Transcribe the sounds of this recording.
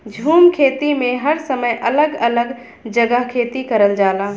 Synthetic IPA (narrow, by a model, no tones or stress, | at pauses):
d͡ʒʱuːmkʰeːt̪imẽɦəɾsəməjʔɐləɡɐləɡ | d͡ʒəɡəɦkʰeːt̪ikɐɾəld͡ʒaːlaː